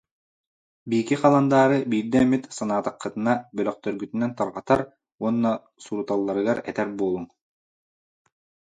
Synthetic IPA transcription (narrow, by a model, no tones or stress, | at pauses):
bikiqɑlˠand̪aːɾɯbiːɾd̪ɛmit̪sɑnaːt̪ɑqːɯt̪ɯnabœlœq̚t̪œɾɡyt̪ynɛnt̪ɑɾʁɑt̪aɾ | uɔnːa | suɾut̪alˠːɑɾɯɡaɾɛ̰t̪ɛɾbuːlˠuŋ